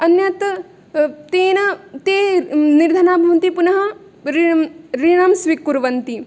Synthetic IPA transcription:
ɐnjɐt̪ | t̪eːnɐt̪eːniɾd̪ʱɐnaːbʱɐʋnt̪ipunɐɦɐ | ɾiɾiɽɐmsʋikːuɾʋɐnt̪i

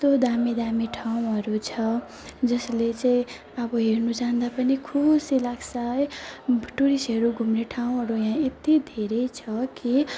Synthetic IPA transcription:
t̪od̪amid̪amiʈʰaw̃ɦʌɾut͡sʰʌ | d͡zʌslet͡sãĩ | ʌbʌɦeɾnud͡zand̪apʌnikʰubsilaksajbʱʈuɾisɦʌɾuɡʱumneʈʰaw̃ɦʌɾujãet̪id̪ʱeɾʌjt͡sʰʌki

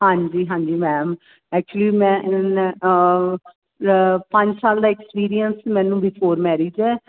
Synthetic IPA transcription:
hãːɲd͡ʒiːɦãːɲd͡ʒiːmɛ̃ːm | ɛːk̚t͡ʃuəliːmɛ̃ː | pə̃ɲd͡ʒsaːld̪aːɛkspiːɾijənsmɛ̃ːnũːbifʰoːɾmɛːɾiːd͡ʒɛː

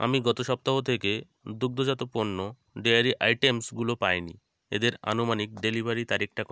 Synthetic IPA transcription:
a̰miɡɔt̪oʃɔp̚t̪aɦot̪ʰeke | d̪uk̚d̪ʱod͡ʑat̪oponːo | ɖejaɾiʔa̰jʈemsɡulopajnḭ | ḛd̪eɾa̰nomanik̚ɖelibʱaɾit̪aɾik̚ʰʈak

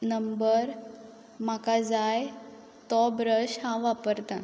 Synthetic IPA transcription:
nəmbəɾ | makad͡zaj | t̪ɔbɾəɕhãʋapəɾt̪ã

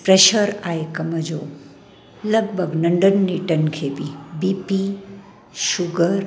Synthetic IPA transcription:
pɾeʃəɾaːekɐməd͡ʒoː | lɐɡ̚bʱəɡnɐɳɖənːiʈɐnkʰebʱibipi | ʃʊɡəɾ

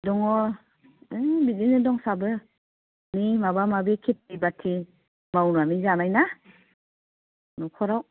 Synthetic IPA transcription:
dɔŋɔ | ɯbidinɯdɔŋsabɯ | nimabamabekʰet̚bibatʰi | mawnamizanajna | nɔkʰɔɾaw

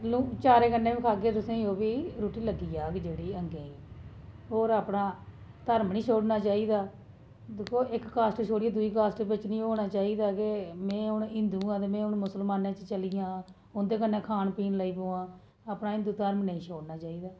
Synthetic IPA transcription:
luːt͡ʃaːɾeːkənːẽːkʰaːɡeːt̪ʊsẽːoːbiːɾuːʈiːləɡiːaːkd͡ʒeːɽiːəŋɡẽːiː | ɦoːɾaːpɳaː | t̪əɾmnĩːt͡ʃʰoːɽnaːt͡ʃaːiːd̪aː | d̪ekʰːoːʔɪkːaːsʈʃʰoːɽijãːd̪ʊiːkaːsʈbɪt͡ʃnĩːɦoːɽ̃aːt͡ʃaːiːd̪aːkɪmɛ̃ːʊnɪ̃nd̪ũːãːt̪eːmɛ̃ːɦʊnmʊsəlmaːnãːt͡ʃt͡ʃəlijãː | ʊnd̪eːkənːẽːkʰaːnpiːnləːiːpoːãː | aːpnaːɪ̃nd̪uːt̪əɾmnə̃ĩːt͡ʃʰoːɽnaːt͡ʃaːiːd̪aː

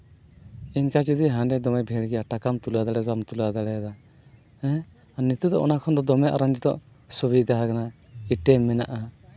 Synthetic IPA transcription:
iɲkat͡ʃid̪iɦãɳɖɛd̪ɔmɛjbʱɛɭɡɛjaʈakamt̪uluad̪aɽɛzamt̪ulad̪aɽɛjad̪a | ɛ̃ | anit̪ud̪ɔʔɔnakʰɔnd̪ɔd̪ɔmɛʔa̰ɾand͡ʒɛd̪ɔ̰ʔ | subid̪aɦakana | iʈɛmːɛnaʔa

